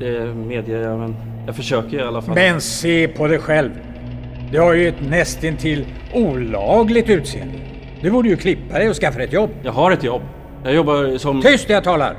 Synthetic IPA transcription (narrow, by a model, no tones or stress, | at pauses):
d̪̥ɛmeːd̪jəɾjamɛn | jɑɡfœʂøːkəɾalːafmɛnseːpʰɔd̪ɛjɧɛlv | d̪ɛhaɾjɵɛt̪nɛst̪ɪnt̪ʰɪlː | uːlɑːɡlɪɡ̚t̪ʉ̟ːt̪sḛːə̰nd̪ɪ | d̪̥ɵbuːɖəjɵkʰlɪpːad̪ɛjɔskafːad̪ɛt̪jɔbːjɑːɡhaɾɛt̪jɔbː | jɑːɡjɔbːasɔmt̪ʰʏst̪d̪ɛjat̪ʰɑːla̰ɾ